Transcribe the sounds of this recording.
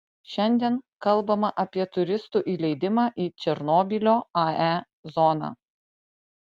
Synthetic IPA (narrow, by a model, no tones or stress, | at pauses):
ʃʲɛnʲd̪ʲiɛnkɐlˠbɐmɐʔɐpʲiɛt̪ʊɾʲɪst̪uːʔiːlʲɛɪd̪ʲɪmɑːʔiːt͡ʃʲɛɾnoːbʲɪlʲoːɐæ | zɔːnɑ̰ː